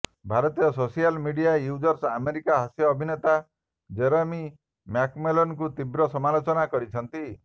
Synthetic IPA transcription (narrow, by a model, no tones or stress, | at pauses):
bʱaɾɔt̪ijɔsosialmiɽijajud͡ʒɔɾsameɾikaɦasjɔːbʱinet̪a | d͡ʒeɾemi | makmelɔnk̬ut̪ibɾɔsɔmalot͡ʃɔnakɔɾit͡ʃʰɔnt̪i